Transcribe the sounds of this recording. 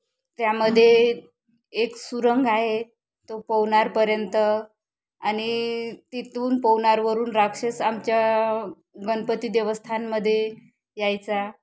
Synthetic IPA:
t̪jaməd̪ʱːjeː | ksuɾəŋɡaɦe | t̪opəwnaɾpəɾjənt̪ə | anit̪it̪uːnpəwnaɾʋəɾuːnɾakʂesamt͡ɕja | ɡənpət̪id̪eʋəst̪ʰanməd̪ʱːje | jajt͡sa

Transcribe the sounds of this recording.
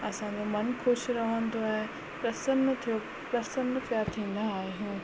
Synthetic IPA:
ɐsãːd͡ʒomɐnkʰʊʃɾɐɦənd̪oɛː | pɾɐsənt̪ʰijo | pɾɐsənd̪pjaːɾt̪ʰĩːnd̪aaːeɦũː

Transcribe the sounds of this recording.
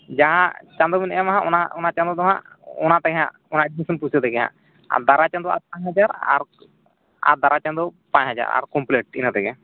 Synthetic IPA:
d͡ʒaɦãt͡ʃãnd̪ɔminɛamaɦãʔɔnaɔnat͡ʃãnd̪ɔt̪ɔɦã | ɔnat̪ɛɡɛɦã̰ | ɔnaɛɖmisɔnpusʰɔt̪ɛɡɛɦã̰ | a̰d̪aɾat͡ʃãnd̪ɔa̰t̪̚pãɲɦad͡ʒaɾa̰ɾ | a̰d̪aɾat͡ʃãnd̪ɔpãɲt͡ʃɦad͡ʒa̰ɾa̰ɾkɔmpleʈ̚inat̪ɛɡɛa

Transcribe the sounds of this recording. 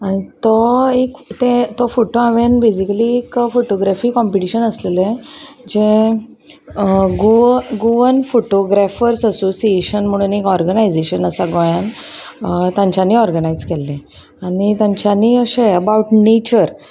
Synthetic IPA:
añit̪ɔekt̪et̪ɔfoʈoãʋenbed͡ʑikəliekfoʈoɡɾafiːkɔ̃mpiʈiɕənəsleled͡ʑe | ɡoɡoʋənfoʈoɡɾafəɾsəsosieɕənm̤əɽ̃uːnekɔɾɡənajd͡zeɕənəsaɡɔjan | t̪ãɲt͡ɕaniːɔɾɡənaid͡zkɛlːẽ | anit̪jãɲt͡ɕaniːəɕeəbauʈnet͡ɕəɾ

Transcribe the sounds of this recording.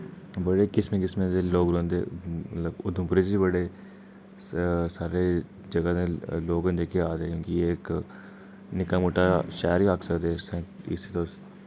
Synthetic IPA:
bəɽeːkɪsmẽːkɪsmẽt̪eloːɡɾõːnd̪ḛːmət̪ləbʊd̪ʱʊ̃mpɾed͡ʒibəɽeː | saːɾe | d͡ʒɐɡad̪ẽloːɡnd͡ʒeːkeaːd̪eekjõːkiːk | nɪkamʊʈaʃɛːɾiaːksəkd̪esɛ̃ːɪ̰sit̪os

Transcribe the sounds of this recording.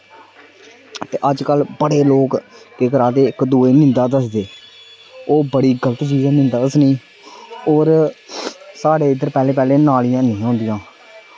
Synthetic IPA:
t̪eːʔəd͡ʒkəlbəɽeːloːkkekəɾaːd̪eːɪkd̪uːeːnɪ̃nd̪aːd̪əsd̪eː | oːbəɽiːɡələt̪t͡ʃiːzãːnɪ̃nd̪aːəsnĩː | oːɾ | saːɽeːɪd̪əɾpɛːleːpɛːleːnaːlɪjãːnĩːɦõːnd̪ɪjãː

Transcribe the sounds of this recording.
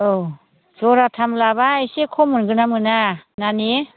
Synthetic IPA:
o | d͡ʒɔɾatʰamlabaːjsekʰɔmɯnɡɯnamɯnanane

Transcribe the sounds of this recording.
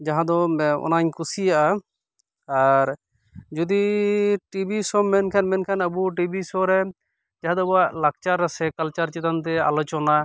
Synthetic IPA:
d͡ʒaɦãd̪ɔɔ̰naɲkusijaʔa | aɾ | d͡ʒud̪iʈibisɔmːɛnkʰanmɛnkʰanəbuʈibisɔɾɛ | d͡ʒaɦãd̪ɔbɔaʔlak̚t͡ʃaɾːɛsɛkalt͡ʃaɾt͡ʃit̪ant̪̬ɛa̰lɔt͡ʃɔna

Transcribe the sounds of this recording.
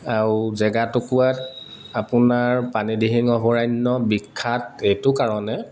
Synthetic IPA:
aɹzɛɡatʊkuat | apʊnaɹpanidiɦiŋɔbɔɹajnːɔbikʰːatejtʊkaɹɔnɛ

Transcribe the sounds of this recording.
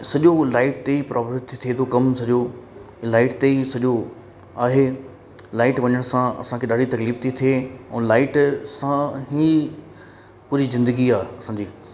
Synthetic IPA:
sɐʄolaːɪʈt̪eipɾʔaːpəɾt̪ʰːit̪ʰiet̪ʰokɐmsɐʄo | laːɪʈt̪eisɐʄo | aːɦe | laːɪʈʋɐɲəɽ̃sãɐ̰sãkʰeɗaːɖit̪ɐkliːbt̪ʰit̪ʰieɛ̃ːlaːɪʈsãɦi | puːɾizɪ̃nd̪əɡiaːɦeɐsãːd͡ʑiː

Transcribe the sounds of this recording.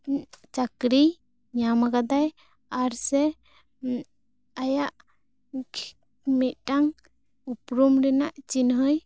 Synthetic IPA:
t͡ʃakɾi | ɲamaɡad̪aj | aɾsɛ | ajaʔ | kʰ | mɛt̪̚ʈaŋ | upɾumɾɛnaʔt͡ʃinɦəj

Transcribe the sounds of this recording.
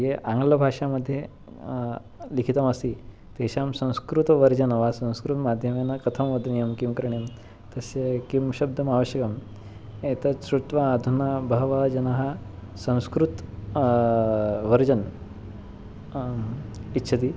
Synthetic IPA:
jeʔaŋɡlɐbʱaʂaməd̪ʱːje | likʰit̪ɐməsi | t̪eɕamsɐ̃w̃skɾut̪ʋɐɾd͡ʑɐnɐʋasɐ̃w̃skɾut̪mad̪ʱjɐmenɐkɐt̪ʰɐmʋɐd̪nijɐmkimkɾɐɳim | t̪ɐsekimɕɐb̚d̪ʱɐmaʋəɕjəkɐm | et̪ɐsɾut̪ʋaːd̪ʱunabʱɐɦʋad͡ʑɐnaɦasɐ̃w̃skɾut̪ | ʋəɾd͡ʑɐn | itːɕʰɐt̪iː

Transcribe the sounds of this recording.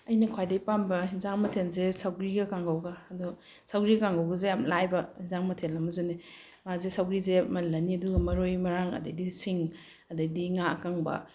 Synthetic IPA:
ɐjnɐkʰwajdɐjpambɐɦinzaŋmɐtʰenzesawɡɾiɡɐkaŋɡawɡɐːdu | sawɡɾiɡɐkaŋɡawɡɐzejamlajbɐhinzaŋmɐtʰenɐmɐzoni | mazesawɡɾizemɐlːɐniɐduɡɐmɐɾojmɐɾaŋɐ̰dɐdisiŋ | ɐdɐdiŋakaŋbɐ̰

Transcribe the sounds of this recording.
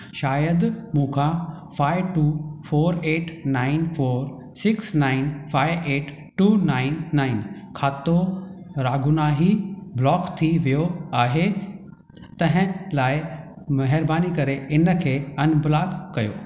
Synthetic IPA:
ʃaːjəd̪mũːkʰã | faːɪʋʈuːfoːɾeːʈnaːɪnfoːɾ | sɪksnaːɪnfʰaːɪʋʔeːʈ | ʈuːnaːɪnːaːɪnkʰaːt̪oɾaːɡʊnaːɦiblɔːkt̪ʰiʋijoaːɦe | t̪ɐ̃ɦɪ̃laːɪ | mɐɦəɾbaːnikɐɾeɪnə̆kʰeːɐnbɪlaːkːɐjo̰ː

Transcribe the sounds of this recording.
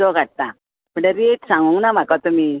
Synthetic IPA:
ɔɡʱaʈ̚t̪a | m̤əɳeɾieʈsãŋɡuŋɡnam̤akat̪um̤i

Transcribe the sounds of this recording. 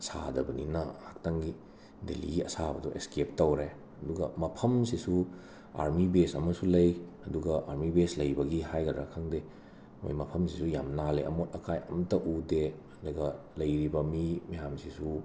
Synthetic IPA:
sa̰dɐbɐninɐhak̚tɐŋɡi | dḛlḭɡiɐ̰sabɐdɔʔḛskep̚tɐwɾe | ɐduɡɐmɐpʰɐmsisu | a̰ɾmibesɐmɐsulɐjɐduɡɐʔaɾmibeslɐjbɐɡihajɡɐdɾa̰kʰaŋde | mo̰jmɐpʰɐmsisujamnaleʔɐ̰motɐkʰajɐmtɐʔudeɐdɐɡɐ | lɐjɾibɐmimɐjamsisu

